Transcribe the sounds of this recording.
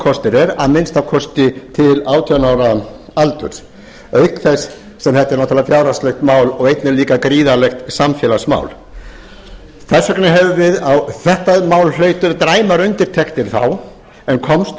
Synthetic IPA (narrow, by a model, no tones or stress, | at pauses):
kʰɔst̪ɪɾɛɾa̰ðmɪnst̪awkʰɔst̪ɪt̪ʰɪlaːwt̪ʰœnaːwɾaalt̪ʏ̰ɾ̥ | œɥkθɛsː | ɛmθɛht̪aɾnawt̪ʰalðafjaːwɾast̪lɛxt̪maːwlɔɣejt̪nɪliːkakɾiːðalɛxt̪samfjɛːlasma̰ːwl | θɛsœknɪɦɛvʏvɪðawθɛht̪amaːwllœɥt̪ʏɾt̪ɾaːjmaɾʏnt̪ɪɾ̥t̪ʰɛkt̪ɪɾ̥θa̰w | ɛnkʰɔmst̪